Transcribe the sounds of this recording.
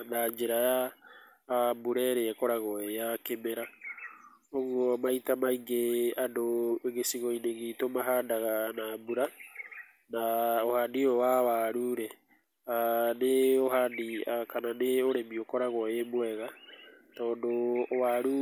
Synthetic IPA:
naɲd͡ʒeɾajaː | buɾɛɾeɛkɔɾaɣɔejakemɛɾa | oɣɔmaitamaiŋɡeadoeɣesiɣɔineɣitomaɦaːndaɣanabuɾa | naohaːndiɔwawaɾuɾɛ | aneoɦandiakananeoɾemiokɔɾaɣɔemwɛɣatɔːndowaɾu

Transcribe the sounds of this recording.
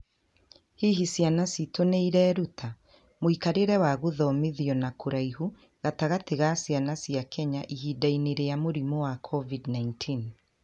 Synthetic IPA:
hiɦisjanasitoneiɾɛːɾutʰa | moikaɾeɾɛwaɣuðɔmeðiɔnakoɾaiɦu | ɣataɣateɣasjanasijakɛɲaʔihiːdaineɾeamoɾimowakʰɔvidnaintʰin

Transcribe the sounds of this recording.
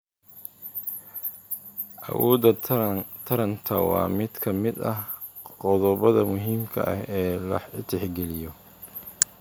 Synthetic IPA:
ʔɐ̰wɔːd̪ɐt̪ʰɐɾɐnt̪ʰɐwɑ̰ːmɪd̪kʰɐmɪd̪ɐɦ | qɔðɔβɐðɐmʊɦiːmkʰɐ̰ʔɐ̰hɛːlɐ̰ħɪt̪ʰɪħɡɛlɪjɔ

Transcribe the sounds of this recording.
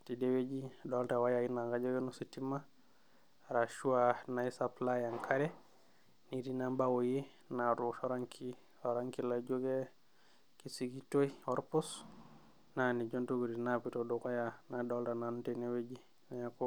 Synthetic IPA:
tidewed͡ʒidoltawajainaŋɡad͡ʒoɡenusitima | ɾaʃuanaisaplajaŋkʰaɾe | nidinambawoji | naɾuʃoɾaŋkʰi | oɾaŋkilad͡ʒoɡe | kisiɡitoiɔɾpus | nanid͡ʒontuɡuɾinapitodokojanadoltananutinewed͡ʒi | najako

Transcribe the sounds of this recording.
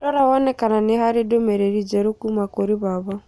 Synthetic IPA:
ɔɾaβɔnɛkananehaɾɪdomɛɾeɾid͡ʒɛɾokumakoɾiβaβɔ

